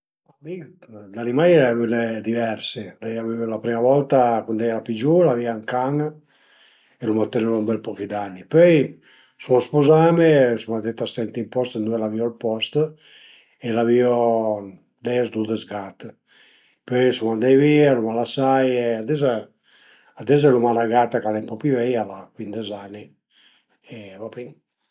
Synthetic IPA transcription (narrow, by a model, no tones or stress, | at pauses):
ami | d̪animajɛlavynɛd̪ivɛɾselɛjavevlapɾimavɔlt̪akund̪ɛjɛɾapid͡ʒulaviaŋkaŋ | elumat̪ːenevambɛlpɔkid̪anːipøj | suɔspozamesumad̪et̪ːast̪ɛnt̪impɔst̪nd̪uɛlaviɔlpɔst̪ | elaviɔ | d̪ɛzd̪ud̪əzɡat̪ | pøjsumand̪ɛjvialumalasajead̪ɛza | ad̪ɛzɛlumalaɡat̪akalɛmpɔpivɛjalakwind̪ezanːi | evapiŋ